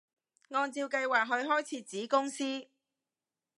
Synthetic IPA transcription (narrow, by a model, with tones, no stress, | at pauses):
ŋɔː˧nt͡siː˧wkɐ˧jwaː˨k̚ɦɵ˨˧ɥɦɔː˥jt͡sʰiː˨˥t͡siː˨˥kʊ˥ŋsiː˥